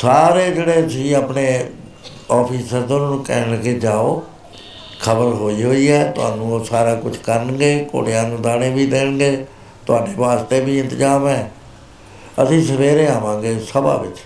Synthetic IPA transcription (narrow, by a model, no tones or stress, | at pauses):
saːɾeːd͡ʒeːɽeːəsĩːaːpneː | ɔːpʰiːsəɾt̪onːnũːkɛ̰ːnked͡ʒaːoː | kʰəbəɾɦoːiːɦoːiːɛːt̪ʊa̰ːnũːsaːɾaːkʊt͡ʃʰkəɾnɡeːko̰ːɽejãːnũːd̪aːɽẽːbiːd̪eːɳɡeː | t̪ʊaːɖeːʋaːst̪eːbiːɪ̃nt̪əd͡ʒaːmɛ̃ː | əsĩːsəʋeːɾẽːaːʋãːŋɡeːsəba̰ːʋɪ̰t͡ʃ